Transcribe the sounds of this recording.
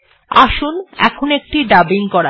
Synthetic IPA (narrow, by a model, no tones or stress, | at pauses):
aʃunɛ̰kʰonek̚ʈiɖabiŋkɔɾa